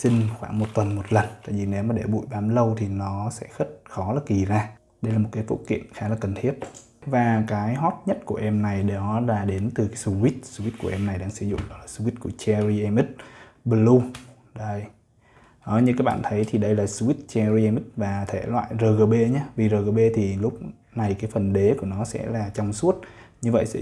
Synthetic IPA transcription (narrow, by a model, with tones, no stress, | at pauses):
si˧ŋ̟xwaː˧˩ŋmo˨˩t̚t̪wə˨˩nmo˨˩t̚lə˨˩nt̪a̰ː˧˨jvi˨˩ne˨˦wmaː˨˩ɗe˧˩ɓṵ˧˨jɓaː˨˦mlə˧wt̪ʰi˨˩nɔ˨˦sɛ̰˧˥xə˦˥t̚xɔ˨˦laː˨˩ki˨˩zaː˧ | ɗə˧jlaː˨˩mo˨˩t̚kaː˨˦jvo̰˧˥kḭ˧˨ənxaː˨˦laː˨˩kə˨˩nt̪ʰi˦˥ət̚ | vaː˨˩kaː˨˦jɦɔ˦˥t̚ɲə˦˥t̚ku˧˩əʔɛ˧mna˨˩jɗɔ˨˦zaː˧ɗe˨˦nt̪ɨ˨˩kaː˨˦jsu˧wi˦˥t̚su˧wi˦˥t̚ku˧˩əʔɛ˧mna˨˩jɗa̰ː˧˥ŋsɨ˧˦zʊ̰˧˨ŋ͡mɗɔ˨˦laː˨˩su˧wi˦˥t̚ku˧˩ət͡ɕɛ˧ɹi˧ʔɛ˧mʔi˦˥t̚ | ɓə˧lu˧ | zə˧˩j | ʔə˨˩ɲɨ˧kaː˨˦˥k̚ɓa̰ː˧˨nt̪ʰə˨˦jt̪ʰi˨˩ɗə˧jlaː˨˩su˧wi˦˥t̚t͡ɕɛ˧zi˧ʔɛ˧mi˦˥t̚vaː˨˩t̪ʰe˧˩lwa̰ː˧˨jzəː˧˩ɣəː˧ɓe˧ɲaː˨˦vi˨˩zəː˨˩ɣəː˧˩ɓe˧t̪ʰi˨˩lʊ˦˥k͡p̚ | na˨˩jkaː˨˦jfə˨˩nɗe˨˦ku˧˩ənɔ˨˦sɛ̰˧˥laː˨˩t͡ɕɔ˧wŋ͡msu˦˥ət̚ɲɨ˧və̰˧˨jsɛ̰˧˥